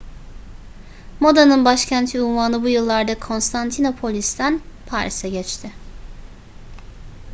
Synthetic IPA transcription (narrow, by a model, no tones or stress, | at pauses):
mo̞d̪anɯnbaʃcʰænt̪ʰiunvaːnɯbujɯlˠːaɾd̪akʰo̞nst̪ʰant̪ʰino̞pʰo̞lʲist̪ænpʰaɾsɛɟɛt͡ʃt̪ʰɪ